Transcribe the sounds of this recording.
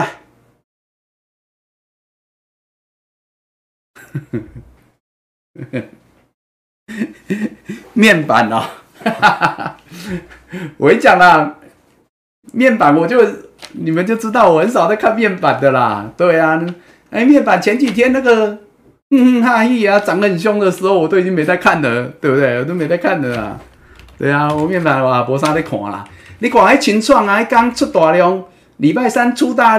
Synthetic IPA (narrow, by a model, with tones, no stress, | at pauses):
a˧˩ | mjɛ˥˨npa̰˨˩˦nɔ˧˦ | wʔɔ˨e˦˥t͡ɕjɑ˨˩ŋlə˧ | mjɛ˥˩npa˨˦nwɔ˨˩t͡ɕjo˥˩ʊni˨˩mə˨˦nt͡ɕjo˥˩ʊt͡s̩˦t̪ɑ˥˩ʊwhə˧˦nsa˨˩ʊt̪a˥˧ɪkʰa˥˧nmjɛ˥˨npa˨˩nd̪ə˨la̰˨t̪we˥˩ɪa˨n˧ | e˧˦mjɛ˥˨npa˨˩nt͡ɕʰjɛ˧˦nt͡ɕi˨˩t̪ʰjɛ˦nːa˥˧ɡə˨˥˧ | ɦa˥˧hi˥˧˨a˨˧t͡sa˨˦ŋɡə˧˨ə˨˩nɕ̬jɔ˥˦ŋd̪ə˨ʂ̩˧˦ho˥˧ʊwɔ˨˩t̪o˥˩ʊi˨t͡ɕi˦ŋmẽ˨˦ɪt͡sa˥˧ɪkʰa˥˨nlə˨t̪we˥˩bə˧t̪we˥˩wɔ˨˩o˥˩˨mẽ˨˦ɪt͡sa˥˧ɪkʰa˥˨nd̪ə˨la̰˨˩ | t̪we˥˩ɪa˨wɔ˨˩mjɛ˥˩npa˨˩n˧˨wɔ˨˩a˨˩pwɔ˧˦sã˦t̪a˥˩kʰwã̰˨˩ŋla̰˨˩li˨˦kʰwã˨˩a˧˥˦t͡ɕʰi˧˦nt͡sʰwa˥˩ŋa˨˦˥ka˦ŋt͡sʰwʊ˥˩t̪wa˨˩ljɔ˧˦ŋ | li˨˩pa˥˩ɪsa˦nt͡sʰu˦t̪a˥˦